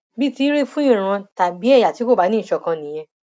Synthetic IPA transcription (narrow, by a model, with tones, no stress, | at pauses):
bi˦ti˦ɾe˦fũ˦ĩ˦˨ɾ̃ã˧ta˨bi˨˦ɛ˦˨ja˨ti˨˦ko˦˨ba˨˦nĩ˦˨ʃɔ˧kã˧nĩ˨j̃ɛ̃˧